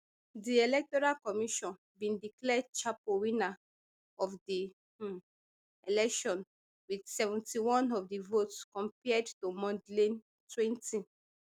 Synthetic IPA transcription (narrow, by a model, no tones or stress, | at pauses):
dielɛk̚tɔɹalkɔmiʃɔ̃n | bĩndiklɛdt͡ʃapowina | ɔfdi | elɛkʃɔ̃n | widsɛvɛ̃ntiwɔ̃nɔfdivotskɔ̃mpɛdtumɔ̃ndlĩn | twɛ̃nti